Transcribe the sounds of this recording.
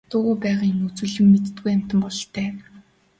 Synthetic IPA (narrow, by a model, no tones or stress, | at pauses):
t̪ʊːʁʊːpæːʁaːinɵt͡sŭːɮɘ̆mːet̪̆t̪ɡujam̥ʲt̪ə̆mpɔɮ̆ɬt̪ʰæː